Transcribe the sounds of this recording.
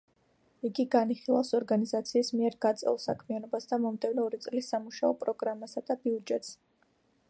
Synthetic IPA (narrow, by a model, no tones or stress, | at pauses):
iɡiɡaniχilˠafsɔɾɡanizat̪sʰiːsmiɛɾɡat̪sʼɛ̰lˠsa̰kʰmianɔbasd̪amɔmd̪ɛvnɛɔɾit̪sʼlisːamuʃaɔpʼɾɔɡɾamasad̪̥abiud͡ʒɛt̪s